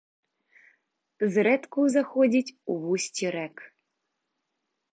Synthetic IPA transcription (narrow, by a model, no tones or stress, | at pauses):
zɾɛt̪kuzaxɔdʲitʲuβusʲtʲiɾɛk